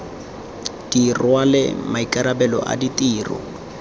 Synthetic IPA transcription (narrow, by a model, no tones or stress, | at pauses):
d̥irwalɪ̰maikʼaɾabɛlɔ̰ʔa̰ditʼiːrɔ̰